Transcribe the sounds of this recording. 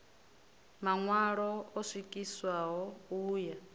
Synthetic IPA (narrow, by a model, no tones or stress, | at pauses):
maŋwaɺɔɔswikʼiswaɦɔuːja